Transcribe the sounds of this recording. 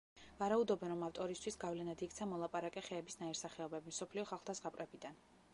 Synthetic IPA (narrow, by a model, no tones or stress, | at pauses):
vaɾaud̪ɔbɛnɾɔmaft̪ʼɔɾist̪ʰwisɡavlɛnad̪ikʰt̪sʰamɔlˠapʼaɾakʼɛχɛːbisnaiɾsaχɛɔbɛbimsɔpʰliɔχalˠχlˠd̪azʁapʼɾɛbid̪an